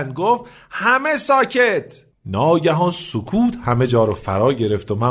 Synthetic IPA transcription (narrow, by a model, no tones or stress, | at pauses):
nɡoft̪ | hæmesɒːcʰet̪ʰ | nɒːɟæɦɒːnsokʰuːt̪hæme̞d͡ʒɒːɾofæɾɒːɟe̞ɾe̞ft̪omæ